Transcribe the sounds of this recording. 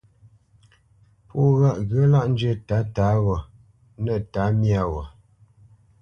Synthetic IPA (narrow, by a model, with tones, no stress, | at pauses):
pʰu˦˨ɣa˦˨ʔɣə˨˦la˦ʔn̩˦d͡ʒɥə˦˨ta˨˦ta˨˦ɣɔ˨ | nə˦˨ta˨˦mja˦˨wɔ˨